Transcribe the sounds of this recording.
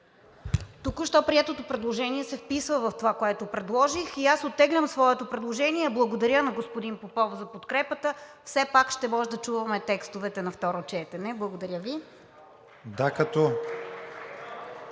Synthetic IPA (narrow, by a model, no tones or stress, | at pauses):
t̪ukʊʃt̪ɔpɾiɛt̪ot̪opɾɛd̪lˠoʒɛniɛsɛfpisvəvɐft̪ovakoɛt̪opɾɛd̪lˠɔʒixiasot̪ːɛɡlʲəmsvɔɛt̪opɾɛd̪lˠoʒɛniɛblˠɐɡod̪ɐɾʲənɐɡospod̪inpopɔvzɐpot̪kɾɛpət̪əfsɛpakʃt̪ɛmɔʒɛd̪ɐt͡ʃuvɐmɛt̪ɛkst̪ovɛt̪ɛnɐft̪ɔɾot͡ʃɛt̪ɛnɛblˠɐɡod̪ɐɾʲjəvi | d̪akɐt̪ɔ